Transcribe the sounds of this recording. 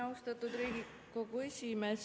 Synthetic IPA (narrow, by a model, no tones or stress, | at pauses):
ɑwst̪ɑt̪ːud̪ɾiːɡi | ko̞kuesʲimes